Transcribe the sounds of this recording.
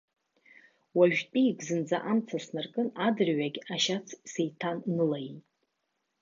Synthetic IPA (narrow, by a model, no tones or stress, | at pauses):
waʒᶣtʼijkʼzɨnd͡za̰ʔamt͡sʰasnarkʼɨnadɨrɥaɡʲaʃat͡sʰsejtʰanːɨlaitʼ